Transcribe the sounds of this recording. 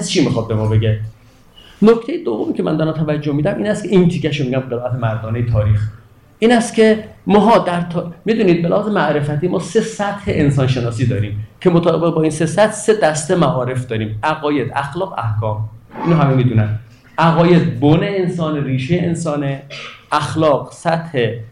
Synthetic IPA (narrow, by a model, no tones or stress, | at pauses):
t͡ʃʰiːmixɒd̪̚be̞mɒːbe̞ɡe | nocʰt̪ʰejed̪ovːomiːkcʰemæ̰nd̪ɒɾæmt̪ʰævæd͡ʒːohmiːd̪æmʔiːnæst̪kʰe̞int̪ʰicʰæʃomiɟæmɢelæt̪ʰemæɾd̪ɒːnejet̪ʰɒːɾiːx | ʔiːnæst̪cʰe̞mɒːɦɒːd̪æɾt̪ʰːmid̪uːniːd̪̚belæhɒːzemæʔɾe̞fæt̪ʰiːmɒːse̞sæt̪heʔensɒːnʃe̞nɒːsiːd̪ɒːɾiːmcʰe̞mot̪ʰɒːbebeɣbɒːiːnse̞sæt̪ʰse̞d̪æst̪emæʔɒːɾe̞fd̪ɒːɾiːmæɣɒːje̞d̪æxlɒːɣæ̰hkʰɒːmʔiːnoɦæmemiːd̪uːnæn | ʔæɣɒːje̞d̪̚boneensɒːneɾiːʃejeensɒːneʔæxlɒːɡsæt̪he̞